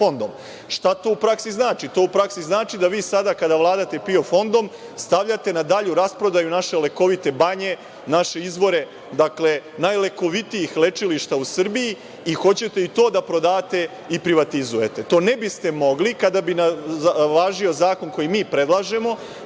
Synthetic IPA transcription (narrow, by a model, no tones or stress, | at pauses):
fo̞nd̪om | ʃt̪at̪o̞ːupɾaksiznaːt͡ʃit̪o̞ːupɾaksiznaːt͡ʃid̪aʋiːsad̪akad̪aʋlˠaːd̪at̪e̞pio̞fo̞nd̪o̞m | st̪aʋʎat̪e̞nad̪aʎuɾaspɾo̞d̪ajunaʃe̞le̞ko̞ʋit̪e̞baɲe̞ | naʃe̞izʋo̞ɾe̞ | d̪akle̞najle̞ko̞ʋit̪ijixle̞t͡ʃiliʃt̪ausr̩bii | ixo̞t͡ɕe̞t̪e̞it̪o̞ːd̪apɾo̞d̪aːt̪e̞ | ipɾiʋat̪izuje̞t̪e̞t̪o̞ːnebist̪e̞mo̞ɡlikad̪abinaʋaːʒio̞zaːko̞nko̞jimiːpɾe̞d̪lˠaʒe̞mo̞